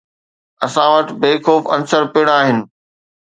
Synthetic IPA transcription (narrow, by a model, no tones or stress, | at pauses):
ɐsãʋəʈbeːxoːfɐnsəɾpɪɽ̃aːɦɪnɪ̆